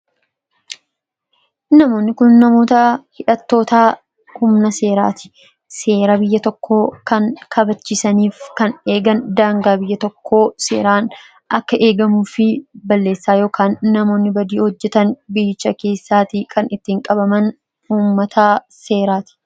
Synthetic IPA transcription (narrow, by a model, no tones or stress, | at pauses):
nɐmo̞ːnːɪkʊnːɐmo̞ːt̪ɐhɪᶑɐt̪ːo̞ːt̪aː | hʊmnɐse̞ːɾa̰ːt̪ɪ̥ | se̞ːɾɐbɪjːɐt̪ɔkːo̞ːkɐnkʰɐbɐt͡ʃːɪsɐniːfkɐne̞ːɡɐnd̪aːŋɡaːbɪjːɐt̪ɔkːo̞ːse̞̰ːɾaːn | ɐkːɐʔe̞ːɡɐmuːfɪbɐlːe̞ːsːaːjoːkaːnːɐmo̞ːnːɪbɐd̪iːhɔd͡ʒːɛt̪ɐnbɪt͡ʃːɐke̞ːsːaːt̪ikʰɐnɪt̪ːiːŋkʼɐbɐmɐn | uːmːɐt̪ʰɐse̞ːɾaːt̪ɪ̥